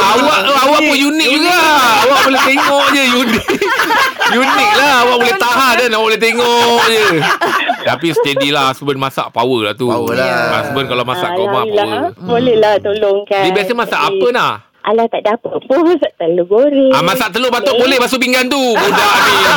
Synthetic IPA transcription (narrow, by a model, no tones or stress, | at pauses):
awaʔʔoawaʔpʊnjunɪk̚buɡaawaʔbolɛht̪eŋɔʔd͡ʒəjunikjunɪk̚lahawaʔbolɛht̪aɦandanawabolɛht̪eŋɔʔd͡ʒə | t̪apisə̥t̪ədilaɦasəbənmasa̰ʔpa̰wəla̰ht̪uəlaa̰sbənkalamasa̰ʔkamabolɛlaht̪oloŋkadibiasamasaʔapənah | ʔalaht̪aʔdapəpʊmasaʔt̪əloɡoɾɛamãsaʔt̪əlobat̪obolɛhbasup̬iŋɡant̪ubudani